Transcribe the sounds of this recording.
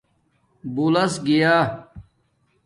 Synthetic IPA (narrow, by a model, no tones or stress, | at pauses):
bulɐsɡijaː